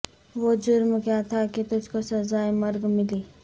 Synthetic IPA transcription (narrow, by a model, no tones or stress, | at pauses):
ʋod͡ʒʊɾmkjat̪ʰakit̪ʊd͡ʒkosɐzaːjmɐɾɡmɪliː